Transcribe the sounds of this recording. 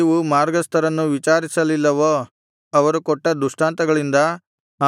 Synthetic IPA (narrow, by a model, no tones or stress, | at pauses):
ʋumaːɾɡɐst̪ʰɐɾɐnːuʋit͡ʃaːɾisɐlilːɐʋoː | ɐʋɐɾukɔʈːɐd̪uʂʈaːnt̪ɐɡɐɭind̪ɐ